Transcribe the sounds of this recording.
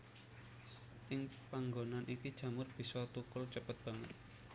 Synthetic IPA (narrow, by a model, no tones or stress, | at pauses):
ʔɪŋpaŋɡonanʔikid̥ʒ̥ä̤mʊrb̥i̤sɔt̪ukʊlt͡ʃəpət̪̚b̥a̤ŋə̰t̪̚